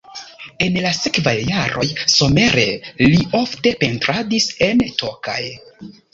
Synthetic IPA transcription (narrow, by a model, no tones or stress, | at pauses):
e̞nlase̞kvajːaɾo̞̰jso̞me̞ɾe̞̰lio̞fte̞pe̞ntɾadise̞ntʰo̞kaj